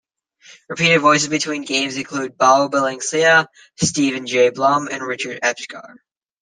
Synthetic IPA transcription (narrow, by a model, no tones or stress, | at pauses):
ɹɨpʰiɾɨdvɔɪs̬ɨzbɨtʰw̥ĩnɡẽɪ̃mzɨ̃nkʰl̥ʉd̚baʊbɪlˠɪ̃ŋsiə | stivɨ̃nd͡ʒeɪblʌ̃mɨ̃nɹɪt͡ʃə˞ɾɛpskɑ̰ɹ